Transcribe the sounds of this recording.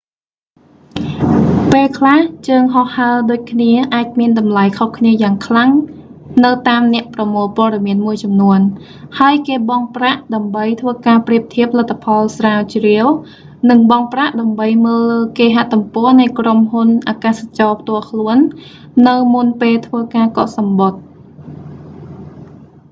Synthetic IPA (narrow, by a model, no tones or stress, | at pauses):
peːlkʰlaht͡ɕəːŋɦohːaəɗoːc̚kʰniəʔaːc̚miənɗɑmlajkʰohkʰniəjaːŋkʰlaŋ | nɨwt̪aːmnɛ̆əʔprɑmoːlpoəɗɑmiənmuəjt͡ɕɑmnuən | haəjkeːɓɑŋpraʔɗaəmɓəjt̪ʰʋəːkaːpriəp̚t̪ʰiəp̚ʰːlat̪ʰːapʰɑlsraːwt͡ɕriəw | nɨŋɓɑŋpraʔɗaəmɓəjməːlːəːkeːɦaʔt̪umpɔ̆ənɨjkromɦunʔaːkaːsat͡ɕɑːpʰt̪ʊ̆əlkʰluənː | ɨwmunpeːlt̪ʰʋəːkaːkɑʔsɑmɓot̪̚